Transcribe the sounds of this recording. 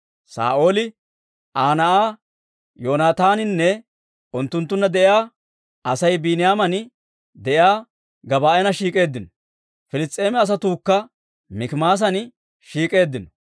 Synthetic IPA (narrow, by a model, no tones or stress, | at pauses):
sa̰ːʔo̞ːlɪ | ʔaːnɐʔaː | joːnaːt̪aːnɪnːɛ | ʔʊnt̪ːʊnt̪ːʊnːɐd̪ɛʔjaː | ɐsɐjbinɪjaːmɐn | d̪ɛjaː | ɡɐbaːʔɛnɐʃiːkʼe̞ːd̪ːɪnɔ̥ | fɪlɪst̪ʼːe̞ːmɛɐs̬ɐt̪uːkːɐ | mɪkɪmaːs̬ɐnɪ | ʃiːkʼe̞ːd̪ːɪnɔ̥